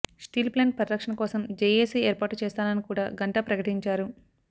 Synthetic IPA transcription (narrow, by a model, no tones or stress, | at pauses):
sʈiːlpleːn̚pɾɐɾɾɐkʂɐnɐkɔːsɐmd͡ʒeːjesiɛːɾpaːʈut͡ʃɛːst̪aːnɐnikuːɽaːɡɐɳʈɐpɾɐkɐʈiɲt͡ʃaːɾu